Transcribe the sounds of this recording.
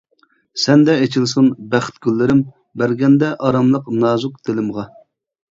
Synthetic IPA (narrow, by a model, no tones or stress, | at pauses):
sɛnd̪ɛet͡ʃʰilˠsunbæχt̪ɡʲylːɪɾɪm | bæɾɡʲɛnd̪ɛʔɑɾɑmlˠəqnɑːzʊq̚d̪̥elɪmʁɑ